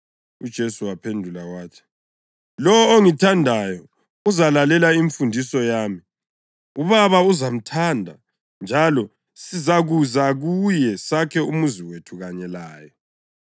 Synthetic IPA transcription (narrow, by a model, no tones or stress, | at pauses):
ud̥ʒ̥ʱesuwapʰendʱulawaːtʰi̥ | lɔwɔoŋitʰandʱajɔ | uzalalɛlaiɱfundʱisɔjaːmi | uβaβauzam̩tʰandʱa̰ | nd͡ʒʱalɔ | sizaɣuzaɣujɛsakʰɛumuziwetʰuɣaɲɛlaːjɔ